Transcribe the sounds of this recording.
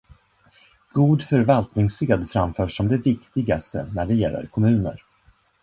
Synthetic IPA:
ɡ̥uːd̪fœɾvalt̪nɪŋseːd̪fɾamfœːʂɔmd̪ɛvɪkt̪ɪɡast̪ə̰næɖɛjɛlːə̰ɾkʰɔmʉ̟ːnə̰ɾ

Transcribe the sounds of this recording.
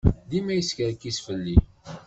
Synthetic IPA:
ðimæjəskəɾkːisfəlːi

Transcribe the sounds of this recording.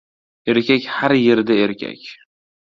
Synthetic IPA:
eɾkʲakʲhaɾjeɾd̪aeɾkʲʰa̰kʲ

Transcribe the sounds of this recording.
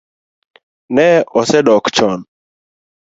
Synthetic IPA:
nɛɔsɛɗɔkt͡ʃɔn

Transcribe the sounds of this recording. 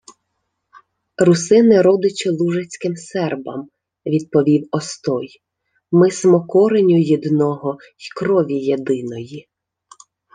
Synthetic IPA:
rʊsɪnɪɾɔd̪ɪt͡ʃɪlˠuʒɐt͡sʲkɪmsɛrbɐ̰m | ʋʲid̪̚pɔʋʲiwɔst̪ɔj | mɪsmɔkɔɾenʲʊjid̪nɔɦɔ | jkɾɔʋʲijed̪ɪnɔji

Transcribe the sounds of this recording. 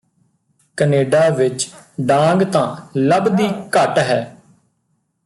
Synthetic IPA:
kəneːɖaːʋɪt͡ʃɖãːŋɡt̪ãːləbd̪iːkəʈɦɛː

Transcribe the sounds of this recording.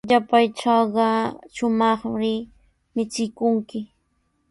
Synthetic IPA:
ʎapajʈ͡ʂɑɢɑʃʊmɑχɾɪ | mɪt͡sɪkʊŋkɪ

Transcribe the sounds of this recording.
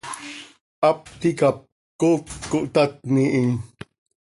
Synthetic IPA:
ʔap̚t̪ikap̚ | kokːuʔt̪at̪̚niʔi

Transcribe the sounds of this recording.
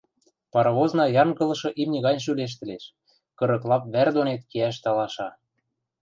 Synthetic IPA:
pɑɾɑβoznɑjɑŋɣɤ̆lɤ̆ʃɤ̆ʔimnʲɘ̆ɣɑnʲʃ̬yleʃ̬t̪ɘ̆leʃ | kɤ̆ɾɤ̆klɑp̚βærd̪onet̪̚keæʃ̬t̪ɑlɑʃɑ

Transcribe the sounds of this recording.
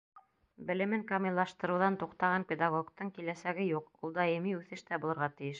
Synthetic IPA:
bɘ̆lɘ̆mɘŋkomilˠːɑʃt̪ɤ̆ɾɤ̆wðɑnt̪uqt̪ɑʁɑŋpʲed̪ɑɡoɡt̪ɤɴkilæsæɡɘjuqulˠd̪ɑjɤ̆miʉθɘʃt̪æbulˠɤ̆ɾʁɑt̪ɘ̆jɘʃ

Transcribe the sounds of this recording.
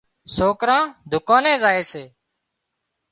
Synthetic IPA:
soːkɾãːd̪ʱʊkãːnẽːzaːeːseː

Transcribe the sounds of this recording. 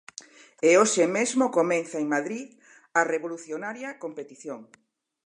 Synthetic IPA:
eoʃemezmokomenθaeŋmaðɾið | ɐreβoluθjonaɾjɐkompet̪iθjoŋ

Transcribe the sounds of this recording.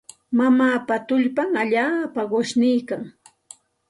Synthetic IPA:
mamaːpat̪ʊʎpamaʎaːpaɢʊʃnɪjkaŋ

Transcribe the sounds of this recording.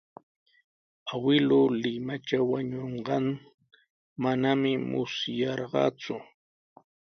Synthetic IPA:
awɪlʊlɪmat͡ʃawaɲoɴɢɑŋ | manamɪmʊ̰sjɑɾɢɑ̰ːt͡sʊ

